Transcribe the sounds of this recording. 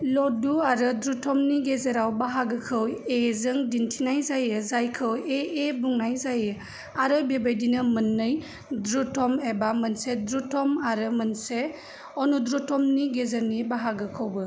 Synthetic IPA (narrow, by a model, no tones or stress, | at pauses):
lɔduaɾɯdɾutʰɔmniɡezeɾawbaɦaɡɯkʰɯwezɯŋdintʰinajzajɯzajkʰɯweebuŋnajzajɯ | aɾɯbebajdinɯmɯnːɯj | dɾutʰɔmebamənsedɾutʰɔmaɾɯmənse | ɔnudɾutʰɔmniɡezəɾnibaɦaɡɯkʰɯwbɯ